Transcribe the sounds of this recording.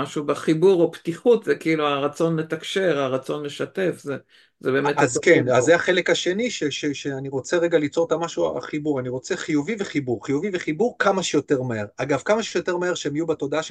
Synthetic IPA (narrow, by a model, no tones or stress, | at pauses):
maʃubaχibuʁopt̪iχut̪zekiiluaʁat͡sonle̞t̪akʃeʁaʁat͡so̞nle̞ʃat̪e̞fze | zebeːmezkenazːeaχe̞lekaʃe̞niʃeʃeʃeaniʁot͡seʁeɡalit͡so̞t̪amaʃua̰a̰χibuʁaniʁo̞t͡se̞χijuvive̞χibuʁχijuviveχibuʁkamaʃejo̞t̪e̞ʁmeeʁaɡavkamaʃejot̪e̞ʁmaeʁʃeemajubato̞d̪aaʃ